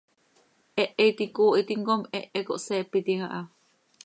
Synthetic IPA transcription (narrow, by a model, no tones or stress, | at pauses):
ʔeʔeit̪ikoːʔit̪iŋɡomeʔekoʔseːpːit̪iŋaʔa